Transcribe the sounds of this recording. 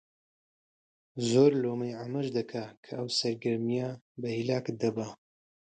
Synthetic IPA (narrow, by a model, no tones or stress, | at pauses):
zoːɾloːmɐjʕamɐʒd̪ɐkʰakʰɐɐwsɐɾɡɐɾmijabɐhilaːkd̪ɐbɐ